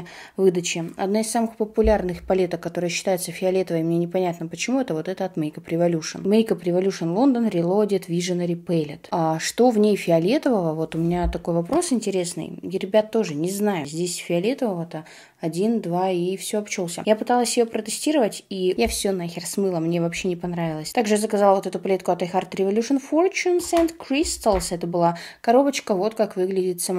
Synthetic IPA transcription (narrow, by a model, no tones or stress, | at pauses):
vɨd̪ət͡ɕɪɐd̪naɪsːamɨxpəpʊlʲarnɨxpɐlʲe̞t̪əkkːɐt̪o̞ɾɨjəɕːɪ̥t̪ajɪt̪səfʲɪɐlʲet̪əvəjmnʲenʲɪpɐnʲat̪nəpət͡ɕɪmuɛt̪əvo̞t̪ɛt̪əɐt̪mʲejkəpɾʲɪvɐlʲuʂə̰nmejkəpɾʲɪvɐlʲuʂənlˠo̞nd̪ənɾʲɪlˠo̞dʲɪt̪vʲiʐɨnɾʲɪpɛlʲɪt̪aʂt̪o̞vnʲejfʲɪɐlʲe̞t̪əvəvəvo̞t̪ʊmʲɪnʲat̪ɐkojvɐpɾo̞sɪnʲtʲɪɾʲe̞snɨ̰jɾʲɪbʲat̪ːo̞ʐɨnʲɪznajʊzʲdʲesʲfʲɪɐlʲe̞t̪əvəvət̪ə | ɐdʲind̪vaifsʲoɐpt͡ɕolˠsʲə̰japɨt̪alˠəsʲjɪjopɾət̪ɨsʲtʲiɾəvətʲijafsʲonaxʲɪrsmɨlˠəmnʲe̞vɐpɕːe̞nʲɪpɐnɾavʲɪlˠəsʲt̪aɡʐɨjazəkɐzalˠvot̪ɛt̪ʊplʲet̪̚kʊɐt̪ɐjxart̪ɾʲɪvɐlʲuʂɨnfort͡ɕunsɛnt̪kɾʲist̪əlˠsɛt̪əbɨlˠakɐɾo̞bət͡ɕkəvo̞t̪kakvɨɡlʲɪdʲɪt̪sɐ